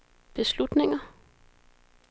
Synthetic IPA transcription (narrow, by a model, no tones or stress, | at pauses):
b̥e̝slud̥ne̝ŋɐ